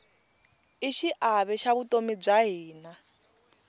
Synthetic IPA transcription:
iʃiʔaβɛʃaβutʼomib͡ʐaɦiːna

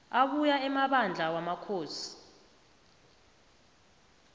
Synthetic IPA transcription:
aɓujaɛmaɓand͡ɮʱawamakʰoːsi̥

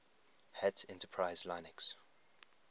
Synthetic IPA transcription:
hɛtʰɛ̃ntəpʰɹaɪzlaɪnɛks

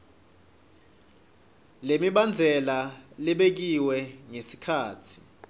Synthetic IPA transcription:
lemiɓand͡zʱɛlalɛɓek̬iwɛŋesi̥kʰaːtʰi̥

